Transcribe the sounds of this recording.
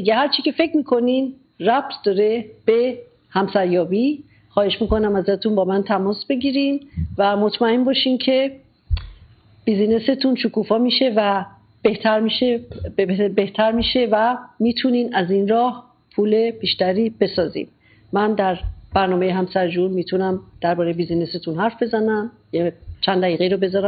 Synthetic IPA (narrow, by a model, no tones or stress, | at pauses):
iɡehæɾt͡ʃʰicʰefe̞cʰmiːkʰo̞nin | ræp̚t̪ʰd̪ɒɾe̞b̥e̞ | hæmsæɾjɒːbi | xɒːhe̞ʃmiːko̞næmæzæt̪ʰunbɒːmænt̪ʰæmɔːsbe̞ɟiːɾinvæmot̪ʰmæembɒːʃiːncʰe̞ | b̥izine̞se̞t̪ʰunʃukuːfɒːmiːʃe̞væ | beht̪ʰæɾiʃe | beht̪ʰæɾmiːʃe̞væmiːt̪ʰuninæzinɾɒːh | pʰuːle̞b̥iːʃt̪æɾiːb̥e̞sɒːzḭn | mænd̪æɾb̥æɾnɒːmejeɦæmsæɾd͡ʒunmiːt̪ʰunæmd̪̥æɾbɒːɾejebiːzine̞set̪ʰunɦæɾfbe̞zænæm | jet͡ʃʰænd̪æiːɣe̞iɾobe̞zɒːɾæm